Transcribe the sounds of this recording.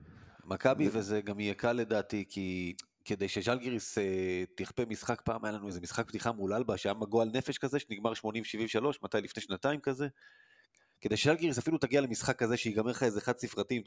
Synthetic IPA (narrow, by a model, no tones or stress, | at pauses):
makabivezeɡamijekale̞daːtikʰi | ke̞d̪ejʃeʒalɡiʁiset̪iχpemisχakpaːmajalanueze̞misχak̚ptiχamulalbaʃeamaɡoalne̞fe̞ʃkazeʃeniɡmaʁʃmo̞nimveʃivimveʃalo̞ʃmat̪ajlifne̞ʃnataimkaze̞ | kede̞jʃeʒalɡiʁisafilut̪aɡialemisχakːaze̞ʃeiɡameχaezeχad̪sifʁatim